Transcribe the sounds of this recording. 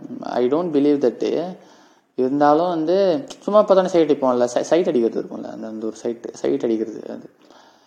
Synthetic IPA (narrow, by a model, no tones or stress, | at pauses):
ɐ̰ɪɖoːɳʈ̚bɪliːʋd̪ɐʈːḛ | ɪɾɯnd̪aːlʊ̃ʋɐnd̪ɯsʊmːaːpːaːt̪ːaːnɐsɐɪʈɐɽɪpːõːɪlːɐsɐɪsɐɪʈɐɽɪkːɪɾɐðɯɪ̰ɾɯkːʊ̃ɪlːɐ̰ɐ̰nd̪ɐʋɐnd̪ɯɔɾɯsɐɪʈːsɐ̰ɪʈɐɽɪkːɪɾɐðɯ̰ɐ̰ðɯ